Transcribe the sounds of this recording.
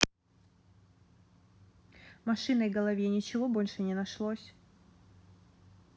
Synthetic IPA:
mɐʂɨnəiɡɐlˠɐvʲenʲɪt͡ɕɪvobo̞lʲʂɨnʲɪnɐʂlˠosʲ

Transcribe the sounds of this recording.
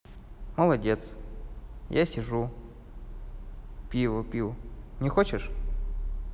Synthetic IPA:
məlˠɐdʲet̪s | jasʲɪʐu | pʲivəpʲivnʲɪxot͡ɕɪʂ

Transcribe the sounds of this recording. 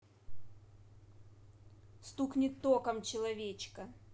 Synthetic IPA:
st̪uknʲɪt̪ːokɐmt͡ɕɪlˠɐvʲet͡ɕkɐ

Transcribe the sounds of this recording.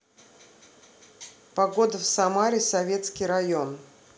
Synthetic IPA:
pɐɡo̞d̪əfsɐmaɾʲɪsɐvʲe̞t̪skʲɪjɾɐjo̞n

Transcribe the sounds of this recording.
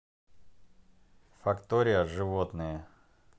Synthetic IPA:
fɐkt̪oɾʲɪjəʐɨvot̪nɨjə

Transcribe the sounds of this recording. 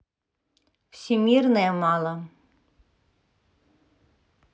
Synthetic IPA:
w̥sʲimʲirnɛjɛmɑlˠɐ

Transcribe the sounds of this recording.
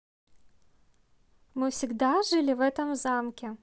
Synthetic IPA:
mɨfsʲiɡd̪aʐɨlʲɪvɛt̪ɐmzamkʲɛ

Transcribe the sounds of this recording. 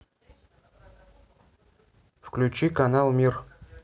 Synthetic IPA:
fklʲʉt͡ɕikɐnalˠmʲir

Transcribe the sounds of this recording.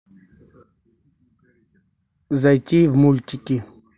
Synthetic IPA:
zɐjt͡ʃiːvmult͡ʃiki

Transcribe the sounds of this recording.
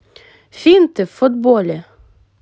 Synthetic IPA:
fiːnt̪əfʊd̪bolʲə

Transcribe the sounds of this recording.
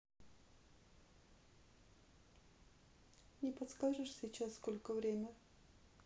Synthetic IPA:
nʲɪpɐt̪skaʐɨʂsʲit͡ɕasskolʲkəvɾʲemʲə

